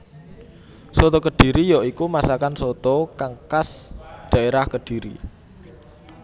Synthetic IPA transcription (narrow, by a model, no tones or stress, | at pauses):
sɔt̪ɔkəɖ̥i̤ɾijɔikumasakansot̪ɔkaŋkasɖ̪̥ä̤ʔeɾahkəɖ̥i̤ɾḭ